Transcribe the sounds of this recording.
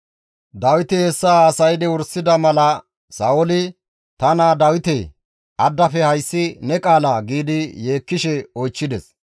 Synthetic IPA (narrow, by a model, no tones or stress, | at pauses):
d̪ɐwɪt̪ɪhɛsːaːsɐjd̪ɛʊɾsːɪd̪ɐmɐlɐ | saːɔlɪ | t̪ɐnaːd̪ɐwɪt̪ɛ | ʔɐd̪ːɐfɛhɐjsːɪnɛkʼaːlaɡiːd̪ɪje̞ːkːɪʃɛɔjt͡ʃːɪd̪ɛs